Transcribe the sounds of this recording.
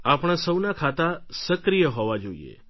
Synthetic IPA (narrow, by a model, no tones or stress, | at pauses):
apɳ̃asəwnakʰat̪asəkɾijəɦɔʋad͡ʒoḭḛ